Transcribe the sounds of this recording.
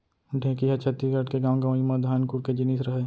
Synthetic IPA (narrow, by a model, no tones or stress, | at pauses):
ɖʱẽːkiɦɛt͡ʃʰɐt̪ːiɡəʈkeɡaːmɡaʋimãd̪ʱaːnkuːɾked͡ʒɪniːsɾɐɦe